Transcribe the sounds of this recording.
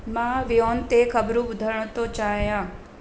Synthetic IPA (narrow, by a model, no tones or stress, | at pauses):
mãʋijoːnt̪ekʰəbɾũbʊd̪ʱəɾɳ̃t̪ot͡ʃaːjãː